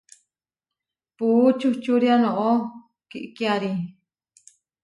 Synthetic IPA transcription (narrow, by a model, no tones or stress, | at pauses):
put͡ʃuht͡ʃuɾianõʔo | kiʔkiaɾi